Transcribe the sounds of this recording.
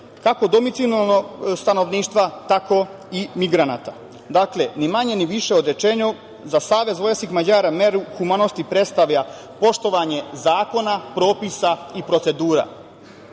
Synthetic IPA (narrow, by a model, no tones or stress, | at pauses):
kako̞d̪o̞mit̪sijonalnost̪ano̞ʋniːʃt̪ʋat̪ako̞ | imiɡɾana̰t̪a | d̪aklenimaɲe̞niʋiʃe̞od̪ɾe̞t͡ʃeːɲu | zasaːʋe̞zʋojeskixmad͡ʑaːɾameɾuxumanost̪ipɾet̪st̪aʋʎa | po̞ʃt̪o̞ʋaɲe̞zaːko̞napɾo̞ːpisaipɾo̞t̪se̞d̪uːɾa̰